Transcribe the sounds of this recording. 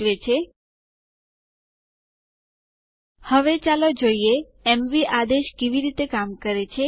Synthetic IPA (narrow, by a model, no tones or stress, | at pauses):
ʋet͡ʃʰe | həʋet͡ʃalod͡ʒoie | ɛmʋiʔad̪eʃkeʋiɾit̪ekamkəɾet͡ʃʰe